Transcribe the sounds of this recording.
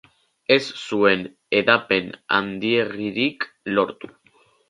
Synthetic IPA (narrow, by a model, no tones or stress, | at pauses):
e̞sːue̞n | e̞ðape̞na̰nd̪ie̞riɾik | lo̞ɾt̪u̥